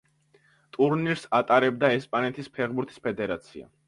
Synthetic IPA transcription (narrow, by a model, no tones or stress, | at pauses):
t̪ʼuɾniɾsat̪ʼaɾɛb̚d̪aɛspʼanɛt̪ʰispʰɛʁbuɾt̪ʰi̥spʰɛd̪ɛɾat̪sʰia̰